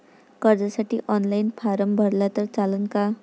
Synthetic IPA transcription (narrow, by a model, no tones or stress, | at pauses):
kʌrd͡zasaʈiʔʌnlajnpʰaɾʌmbʱʌrlat̪ʌrt͡salʌnka